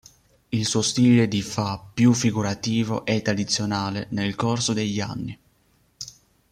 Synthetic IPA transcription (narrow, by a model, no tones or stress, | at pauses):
ilsuost̪iːled̪ifapːjufːiɡuɾat̪iːvo̰ʔɛt̪ːɾad̪it̪sːjonaːlenelkorsod̪eʎːa̰nːi